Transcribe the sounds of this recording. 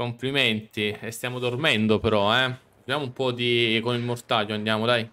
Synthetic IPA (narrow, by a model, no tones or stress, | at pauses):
kompliment̪iest̪jaːmod̪ormɛnd̪opeɾɔɛ | jaːmoumpɔd̪ikonilmort̪ad͡ʒːoand̪jaːmod̪aj